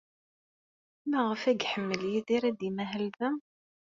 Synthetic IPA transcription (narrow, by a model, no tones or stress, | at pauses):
mæʁəfæɡħəmːəljiðiɾæd̪imæɦəlðəm